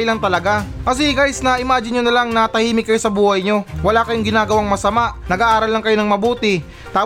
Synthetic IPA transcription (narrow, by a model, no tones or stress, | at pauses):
lɐŋt̪ɐlɐɡakɐs̬ɛɡajsnɐʔɪmaːd͡ʒɪnjonɐlaŋnɐt̪ɐhiːmɪkːɐjo̞sɐbuːhɐjɲo̞wɐlakɐjoŋɡɪnaːɡɐwaŋmɐsɐmaʔnɐɡaːʔaːɾɐlːɐŋkɐjo̞nɐŋmɐbuːt̪ɪ | t̪aː